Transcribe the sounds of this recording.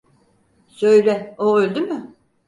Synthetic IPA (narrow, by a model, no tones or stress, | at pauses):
sø̞jɾɛoølʲd̪ymʏ